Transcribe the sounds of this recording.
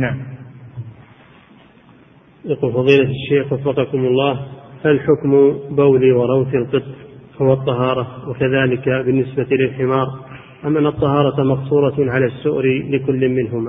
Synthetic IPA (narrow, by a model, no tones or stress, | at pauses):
naʕm | jaquːlfɑðˤiːlaʃːeːxwɑfːɑqɑkʊmʊlˤːɑːhhalħʊkmbawliwɑɾˤɑwθilqɨt̪ˤːhʊwɑt̪ˤːɑɦɑːɾˤɑwakaðaːlɪkabɪnːɪsbailɪlħɪmɑːɾˤ | ʔamʔanːɑt̪ˤːɑhɑːɾˤɑmɑqsˤuːɾˤɑʕalasːʊʔɾlɪkʊlːmːɪnɦʊmaː